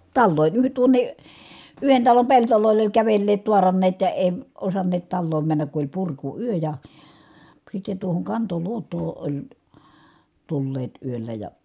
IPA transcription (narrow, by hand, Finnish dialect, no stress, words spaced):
tɑlːoˑin yh tuonˑe yhen tɑlom peltoloˑi̯l olʲ kæʋelːeːt tuɑrɑnːeːt jɑ eˑi̯ osɑnːeːt tɑlːoːm mænːæk ku olʲ purkuyø jɑ sitːe tuohoŋ kɑntoluotˑoː olʲ tulːeːt yølːæ jɑ